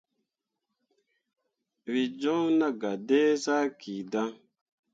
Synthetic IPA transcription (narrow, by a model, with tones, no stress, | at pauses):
wi˨d͡ʒɔ̃˦na˦ɡa˨de˦sa˦kʰi˨da˦